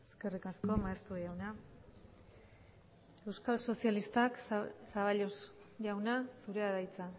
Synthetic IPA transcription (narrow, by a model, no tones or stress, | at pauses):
eske̞rikasko̞maest̪uʝawna | e̞wskalso̞sialist̪aksaβaʎosʝawnasuɾe̞aðajt͡sa